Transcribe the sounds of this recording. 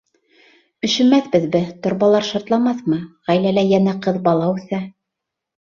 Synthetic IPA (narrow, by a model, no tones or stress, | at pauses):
ɵ̆ʃɵ̆mæθbɘ̆ðbɘt̪ŏɾβɑlˠɑɾʃɑɾt̪lˠɑmɑθmɤʁæjlælæjænæqɤðbɑlˠɑʉθæ